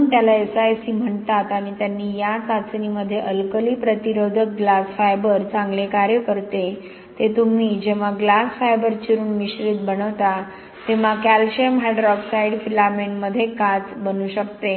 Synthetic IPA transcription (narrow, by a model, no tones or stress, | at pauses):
nt̪jalaesajsiːm̤əɳt̪at̪aɽ̃it̪janːiːjasasniməd̪ʱːjeʔəlkəliːpɾət̪iɾod̪ʱək̚ɡlasfajbəɾt͡sãŋɡlekaɾjəkəɾt̪e | t̪et̪um̤iːd͡ʑeʋ̤aɡlasfajbəɾt͡ɕiɾuːnmiɕɾit̪̚bəɽəʋt̪a | t̪eʋ̤akælɕemɦɛɖɾɔfsaiɖfilaminməd̪ʱːjekat͡sbənuːɕək̚t̪e